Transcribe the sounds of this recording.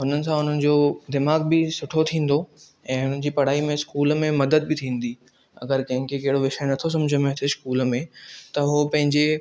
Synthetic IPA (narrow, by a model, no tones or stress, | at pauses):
ɦʊn̤ənɪ̆sãʊn̤ənɪ̆d͡ʑoːd̪ɪmaːɡbɪsʊʈʰot̪ʰĩːn̆d̪o | ɛ̃ːɦʊn̤ənɪ̆d͡ʑiːpɐɽ̤aːimẽskuːlmẽmɐd̪əd̪̚bɪt̪ʰĩːn̆d̪iː | ɐ̰ɡəɾkɐ̃ɦɪ̃ŋkʰekɐɦɪɽoʋɪʃaenɐt̪ʰos̬ɐ̃md͡ʑʱəmẽt̪ʰeskuːlmẽt̪ɐɦopɐ̃ɦɪ̃ɲd͡ʑe